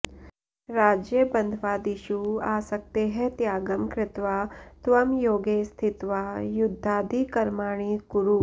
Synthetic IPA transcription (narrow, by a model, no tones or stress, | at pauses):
ɾaːd͡ʒjɐbɐnd̪ʱʋaːd̪iʃuaːsɐk̚t̪eɦẽt̪jaːɡɐmkɾɪt̪ʋaːt̪ʋɐmjoːɡeːst̪ʰit̪ʋaːjud̪ʱːaːd̪ʱikɐɾmaːɳ̃ikuɾu